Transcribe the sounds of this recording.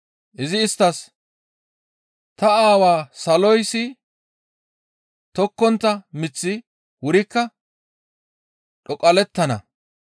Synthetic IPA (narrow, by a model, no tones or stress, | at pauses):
ʔɪzɪɪst̪ːɐs | t̪ɐaːwaːsɐlɔjsɪ | t̪ɔkːɔnt̪ːɐmɪt͡sːɪ | wʊɾɪkːɐ | ᶑɔkʼɐlɛt̪ːɐnɐ̰